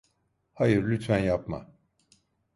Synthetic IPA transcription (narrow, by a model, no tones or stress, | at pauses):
hajɯɾlʲyt̪fænjapma̰